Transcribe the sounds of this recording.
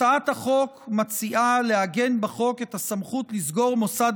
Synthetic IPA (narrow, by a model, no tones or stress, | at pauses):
aathaχo̞kmat͡siʔalehaɡe̞nbeχo̞ke̞thasamχut̪lizɡo̞ʁmo̞sad